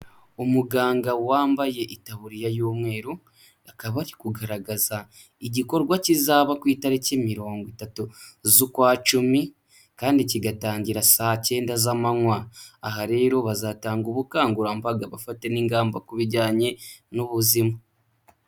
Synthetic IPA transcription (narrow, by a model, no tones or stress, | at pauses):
umuɡaːŋɡawaːmbaje̞ʔitaβuɾijajoːmwe̞ːɾu | akaβaɾikuɡaɾaɡaza | iɟiko̞ɾɡwacizaːβakwiːtaɾicemiɾo̞ːŋɡwitatuzukwaːt͡ʃumi | kaːndiciɡataːɲɟiɾasace̞ːndazamaŋwaːɦaɾe̞ːɾo̞βazataːŋɡuβukaːŋɡuɾambaɡaβafate̞niːŋɡaːmbakuβiɟaːɲe̞nuβuzima